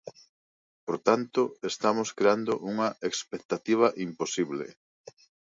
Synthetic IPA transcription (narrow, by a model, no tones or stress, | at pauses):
poɾt̪ant̪oest̪amoskɾeand̪oʔuŋɐekspek̚t̪at̪iβ̞ɐʔimposiβlḛ